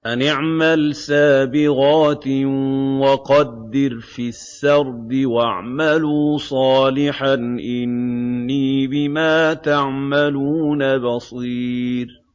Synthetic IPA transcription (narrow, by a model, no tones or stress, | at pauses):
ʔanɪʕmalsaːbɪɣaːt̪ | wɑqɑd̪ːɪɾfisːɑɾˤd̪ɪwaʕmaluːsˤɑːlɪħanʔɪnːiːbɪmaːt̪aʕmaluːnabɑsˤiːɾ